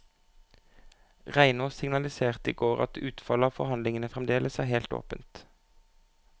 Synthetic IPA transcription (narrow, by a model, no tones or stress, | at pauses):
ʁæɪnosɪŋnɑlɪseːʁt̪ḭːɡoːʁɑ̰t̪ʉːt̪fɑləɑːʋfɔʁhɑnlɪŋənəfʁɛmd̪eːlʔəsæːheːlt̪o̰ːpənt̪